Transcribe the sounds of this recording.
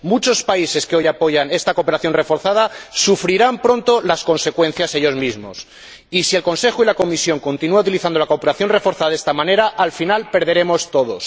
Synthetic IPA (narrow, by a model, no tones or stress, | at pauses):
mut͡ʃo̞spaise̞skeo̞japo̞ʝane̞st̪ako̞pe̞ɾaθjo̞nre̞foɾθað̞asufɾiɾampɾo̞nt̪o̞lasko̞nse̞kwe̞n̟θjase̞ʎo̞zmizmo̞̰s | isielko̞nse̞xoilakomisjoŋko̞nt̪inuaut̪iliθand̪olako̞peɾaθjo̞nre̞fo̞ɾθaðaðest̪amãne̞ɾaʔːlfinalpe̞ɾðe̞ɾe̞mo̞st̪o̞ðo̞̰s